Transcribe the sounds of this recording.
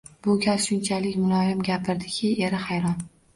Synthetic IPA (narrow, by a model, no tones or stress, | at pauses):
b̥ʊɡʲasʃʊnt͡ʃʰalɪkʲmʊlˠɒjɪmɡʲapʰɪɾd̪ɪkʲʰɪe̞ɾɪhajɾɒn